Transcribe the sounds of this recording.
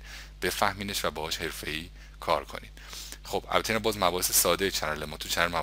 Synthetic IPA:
b̥e̞fæhmiːneʃvæbɒːhɒːʃhe̞ɾfe̞iː | kʰɒ̰ːɾkʰo̰nḭːd̪̥xob̥ʔæ̰lbæt̪ʰːeinæmbɒːzmæbɒːhesesɒːd̪ejet͡ʃʰæɾɾlemɒt̪ʰut͡ʃʰænɾmæb

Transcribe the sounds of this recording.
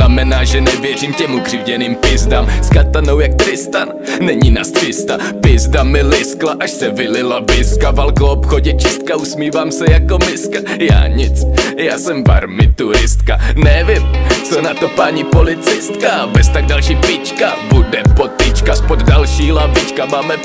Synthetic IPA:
namɛnaːʒɛnɛvjɛr̝iːmcɛmuɡr̝ɪvɟɛniːmpɪzdaːmskat̪anowjak̚t̪ɾɪst̪an | nɛɲinast̪rɪst̪a | pɪzdamɪlɪsklaʔaʃsɛvɪlɪlavɪskavalkoopxoɟɛt͡ʃɪst̪̚kausmiːvaːmsɛjako̞mɪskaja̰ːɲɪt͡sjaːsɛmba̰ɾmɪt̪uɾɪst̪kanɛvɪmt͡sonat̪o̞paːɲipolɪt͡sɪst̪kabɛst̪aɡ̚dalʃiːpɪt͡ʃkabudɛpot̪ɪt͡ʃkaspod̪dalʃiːlavɪt͡ʃkamaːmɛ

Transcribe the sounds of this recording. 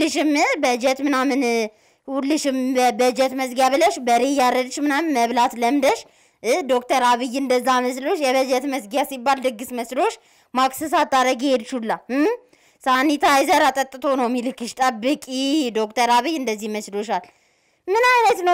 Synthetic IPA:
lɨʃɪmbəd͡ʒɛt̪mɨnamɨn | wulːɨʃɪmbəd͡ʒɛt̪məsɡjaβɨləʃbəɾejaɾəd̪t͡ʃmɨnamnməβlat̪ləmd̪əʃ | d̪o̞kt̪ʰəɾaβɨjɨnd̪əzːaməslo̞ʃjɛβəd͡ʒɛt̪məsɡjasibːald̪ɨɡɨsməslo̞t͡ʃː | maksɨs̬at̪ʼːaɾəɡhed̪t͡ʃulːa | sanːit̪ʰajzəɾat̪ʼət̪ʼːɨt̪ʰo̞nəwmilɨkːɨʃt̪ʼəbːɨkʼid̪o̞kt̪ʰəɾaβɨjɨnd̪əzːihməslo̞ʃal | mɨnajnət̪nəw

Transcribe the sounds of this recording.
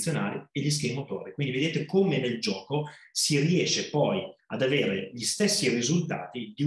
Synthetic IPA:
sjonaːlielːis̬kemot̪o̰ːɾekwind̪ived̪eːt̪ekomeneld͡ʒɔːkosiriɛːʃːepɔjad̪aveːɾeʎist̪esːirizult̪a̰ːt̪id̪i

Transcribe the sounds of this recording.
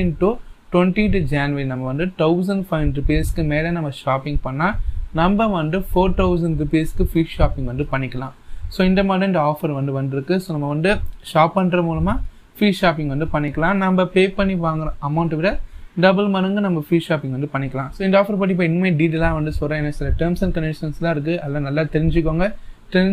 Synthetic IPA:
ɪnʈuʈwɛnʈiʈud͡ʒaːnʋɐɾinɐmbɐʋɐnd̪ɯʈɐʊs̬ɐnɖfɐɪnɾɪpeskːɯmeːlɐ̃nɐmːɐʂaːpɪ̃ŋɡ̚pɐɳːaːnɐmbɐʋɐnd̪ɯfoːɾʈ̪ɐʊsɐɳɖɾupeskːɯfiːʂaːpɪ̃ŋɡʋɐnd̪ɯpɐɳːɪkːɐlãːsoːɪnd̪ɐmaːɽɐ̃ɪnd̪ɐaːfɐɾʋɐnd̪ɯʋɐnd̪ɪɾɯkːɯsoːnɐmːɐʋɐnd̪ɯʂaːpːɐɳɾɐmuːlɐmaː | fiːʂaːp̬ɪ̃ŋɡʋɐnd̪ɯpɐɳːɪkːɐlãːnɐmbɐpeːpɐɳːiʋaːŋɡɐɾɐ̃ʔɐmɐʊɳʈʋɪɽɐɖɐbɐlmɐnɐŋɡɯnɐmbɐfɾiːʂaːpɪ̃ŋɡʋɐnd̪ɯpɐɳːɪkːɐlãːsoːɪnd̪aːfɐɾp̬ɐʈːɪp̬ːɐːɪnːɯmeːɖiːʈ̬elãːʋɐnd̪ɯsɔlːãɛnːɐsɪlɐʈɐɾmsɐnkɐnɛʈʂɐnslãːɪɾɯk̬ːɯɐlːãːnɐlːaːt̪ɛɾɪɲd͡ʒɯk̬ːoːŋɡɐʈɛ

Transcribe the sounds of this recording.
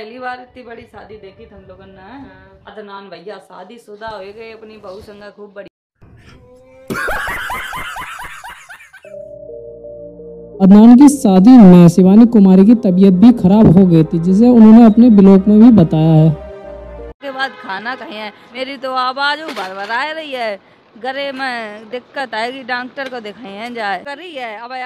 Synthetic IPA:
pɛɦlibaːɾɪt̪nĩbɐɽisaːd̪ʱid̪eːk̪ʰit̪ʰɐ̃lokənːaɦɐd̪naːnbʱɐjːaːsa̰ːd̪ʱisʊd̪aɦoeɡɐeɐpnibɐusə̃ŋɡakʰuːb̚ːɐɽi | ɐd̪naːnk̬isaːd̪iːmẽsɪbaːnikʊmaːɾik̬it̪ɐbijət̪̚bʱixʰɐɾaːbɦoɡɐet̪id͡ʒɪs̬eʊnɦõːneɐpnebɪloːkmẽbʱibɐt̪aːjaɦɛː | skebaːd̪̚kʰaːnakɐɦĩɛ̃ː | meːɾit̪oaːbaːd͡ʒũbaɾʋəɾaːeɾɐɦiɦɛː | ɡɐɾemẽd̪ɪkːət̪ɛiɖãːŋk̚ʈəɾkod̪ɪkʰaːĩɦɛ̃d͡ʒaːekɐɾiɦɛːɐb

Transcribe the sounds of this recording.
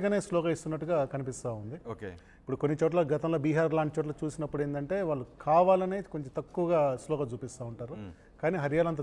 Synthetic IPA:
kɐne̞ːslɔːkɐist̪unːɐʈːuɡaːkɐnipist̪aːund̪ioke | ipuɽukonːit͡ʃoːʈ̬lɐɡɐt̪ɐmlo̞ːbiːɦaːɾlaːɳʈit͡ʃoːʈ̬lɐːt͡ʃuːsinɐpːuɽeːnd̪ɐɳʈe̞ːʋaːɭːukaːʋaːlɐneːkoɲt͡ʃemt̪ɐkːuʋɐɡaːslɔːkɐt͡ʃuːpist̪aːuɳʈaːɾu | kaːniːɦɐɾjaːlɐnt̪̬ɐ

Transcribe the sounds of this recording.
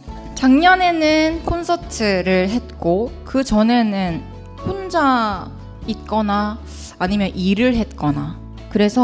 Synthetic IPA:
t͡ɕaŋɲʌne̞nɯnkʰonsʰʌtʰɯɾɯɭɦe̞t̚k͈okɯt͡ɕʌne̞nɯn | ɸond͡ʑa | it̚k͈ʌnaː | ɲimjʌnʔiɾɯɭɦe̞t̚k͈ʌna | kɯɾe̞sʰʌ

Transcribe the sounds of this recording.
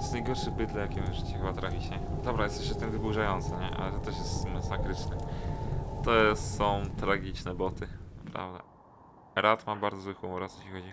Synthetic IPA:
jɛsznajɡɔɾʂɘɣbɘd̪lɛjakʲimʐɘt͡ɕɛxɨbat̪ɾafʲit͡ɕɛd̪ɔbɾajɛst̪ɛʃɛft̪ɘmvɘbuʐajɔnt̪sɛɲɛʔa̰lɛt̪ɔt̪ɛʂjɛst̪masakɾɘt͡ʂnɛ | t̪ɔssɔ̃w̃t̪ɾaɡʲit͡ʂnɛbɔt̪ɘnapɾa̰vd̪a̰ | ɾʔat̪mabaɾd̪zɔzwɘxumɔɾasjeɕʲixɔd͡ʑi

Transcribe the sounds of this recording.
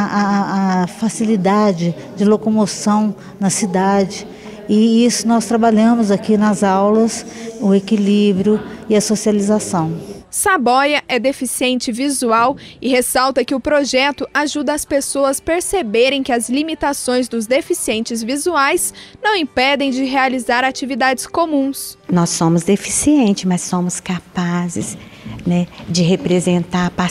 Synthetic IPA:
fasilid̪ad͡ʒɪ | d͡ʒɪlokomosɐ̃w̃ | nɐsid̪ad͡ʒɪ | ɪisʊnɔst̪ɾabaʎɐ̃mʊzakinɐzawlɐsʊekilibɾjʊɪɐsosializasɐ̃w̃sabɔjɐʔɛd̪efisiẽnt͡ʃɪvizuawɪhesawt̪ɐkɪʊpɾoʒɛt̪ʊʔaʒud̪ɐɐspesoɐspeɾsebeɾẽj̃kɪɐzlimit̪asõj̃zd̪ʊzd̪efisiẽnt͡ʃɪzvizuajsnɐ̃w̃ĩpɛd̪ẽj̃d͡ʒɪɦealizaɾat͡ʃivid̪ad͡ʒɪskomũsnɔsːõmʊzd̪efisiẽnt͡ʃɪsmɐsːõmʊskapazɪ̰snɛd͡ʒɪɦepɾezẽnt̪aɾpa

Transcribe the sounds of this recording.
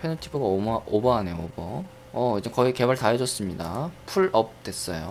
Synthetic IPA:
pʰenʌtʰibʰɯɡaomobʌane̞joobʌ | ʌid͡ʑekʌike̞baɭtajʌd͡ʑʌs͈ɯmɲidapʰuɭʌp̚t͈e̞s͈ʌjo

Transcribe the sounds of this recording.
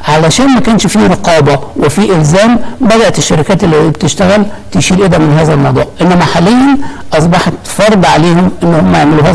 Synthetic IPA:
ʕalæʃæːnmækæːnʃfiɾɑqɑːbæwefiːʔɪlzæːmbæd̪æʔt̪eʃːæɾɪkæːt̪elːihbet̪eʃt̪æɣælt̪ejʃiːlʔed̪æmɪnɦæːzælmɑd̪ˤɑ̰ːʕʔenːæmæħaːlejːænʔɑsˤbɑħɑt̪fɑɾˤd̪ˤʕaleːhomʔenːhomːæjeʕmeluhæːz

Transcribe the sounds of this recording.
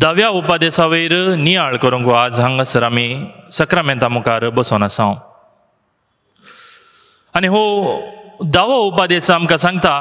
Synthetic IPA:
d̪ɐʋjaupad̪esaʋejɾnijaːɭkɐɾũŋɡoaːzɦɐ̃ŋɡɐsɾamisɐkɾamẽnt̪amukaɾbəsoːnasã | ɐneɦo | d̪ɐʋaupad̪eːsamkas̬ɐ̃ŋɡ̚t̪ʰa

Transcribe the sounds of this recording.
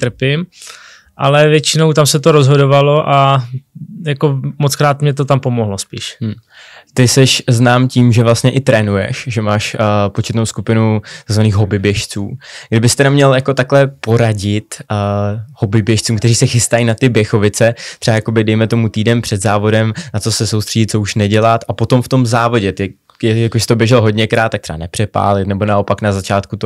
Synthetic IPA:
t̪r̩pɪm | ʔalɛvjɛt͡ʃɪno̞wt̪amsɛt̪oɾozɦo̞dovalo̞ʔa | jako̞mot͡skɾaːt̪mɲɛt̪ot̪ampomoɦlospḭːʃ | t̪ɪsɛʃznaːmciːmʒɛvlast̪ɲɛʔɪt̪ɾɛːnujɛ̰ʃʒɛmaːʃpot͡ʃɛt̪nowskupɪnut̪aɡzvaniːxɦo̞bɪbjɛʃt͡suːɡ̥dɪbɪst̪ɛdamɲɛljako̞t̪aklɛpo̞ɾaɟɪt̪ | ho̞bɪbjɛʃt͡suːmkt̪ɛriːsɛxɪst̪ajinat̪ɪbjɛxo̞vɪt͡sɛt̪r̥ɛajako̞bɪdɛjmɛt̪o̞mut̪iːdɛmpr̝̥ɛd̪zaːvo̞dɛmnatt͡so̞sɛsowst̪r̥ɛɟɪt̪̚t͡souʃnɛɟɛlat̪ʔapot̪omft̪o̞mzaːvo̞ɟɛt̪ | ɛjakoʃsɪ̥t̪objɛʒɛlɦo̞dɲɛkɾaːt̪ːakt̪r̥ʰɛa̰nɛpr̥ɛpa̰ːlɪt̪nɛbo̞nao̞paknazat͡ʃaːt̪kut̪o

